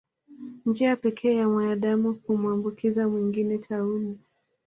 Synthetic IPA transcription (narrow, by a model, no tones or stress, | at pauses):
nd͡ʒiapɛkʰɛːjamwaaɗamuhumuambukʰizamwiŋɡinɛtʰauli